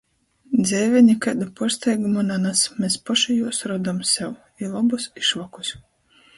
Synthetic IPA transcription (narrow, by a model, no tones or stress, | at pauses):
d̪zʲɛːvʲɛɲikad̪upɔɾst̪ɛjɡumananasmʲespɔʃijuɔsɾɔd̪amsɛw | ilˠɔbusiʃvɔku̥s